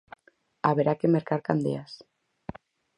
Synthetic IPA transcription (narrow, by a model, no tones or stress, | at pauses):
aβeɾakemeɾkaɾkand̪ḛas